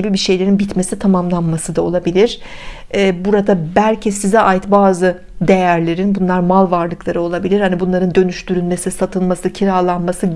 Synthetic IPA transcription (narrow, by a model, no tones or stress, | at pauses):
ibibiʃe̞jlʲe̞ɾinbit̪me̞sit̪ʰamamlˠanmasɯd̪ao̞̰lˠabilʲiɾ̥ | ɛːbuɾad̪abælʲcʰisizɛʔajt̪baːzɯ | d̪e̞jæɾlʲe̞ɾinbunlˠaɾmalˠvaɾlˠɯklˠaɾɯo̞lˠabilʲiɾhanibunlˠaɾɯnd̪ø̞nyʃt̪ʰyɾylme̞sisat̪ʰɯlˠmasɯcʰiɾalˠanmasɯ